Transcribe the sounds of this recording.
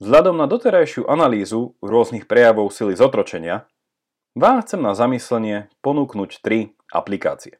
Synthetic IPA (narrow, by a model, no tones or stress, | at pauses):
vzɦʎad̪ɔmnad̪ɔt̪ɛɾajʃɪuʔanaliːzuɾʊɔznixpɾɛjaʋɔʊsilizɔt̪ɾɔt͡ʃɛɲɪa | ʋaːmxt͡sɛmnazamislɛɲɪɛpɔnuːknuct̪ɾi | ʔa̰plika̰ːt͡siɛ